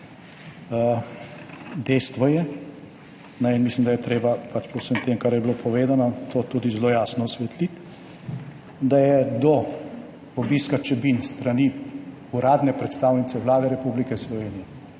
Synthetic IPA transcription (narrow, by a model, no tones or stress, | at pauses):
ə | d̪ɛjst̪ʋɔjɛ | nɛjnmislimd̪ajɛt̪ɾeːbapat͡ʃpɔwsəmt̪emkaɾjɛbilopʰɔʋeːd̪anat̪oːt̪uːd̪izloːjaːsnɔsʋɛt̪lit̪ | d̪ajɛd̪ɔ | ɔbiskat͡ʃɛbinst̪ɾani | uɾaːd̪nɛpɾɛt̪st̪aːwnit̪sɛʋlaːd̪ɛɾɛpublikɛslɔʋeːnijɛ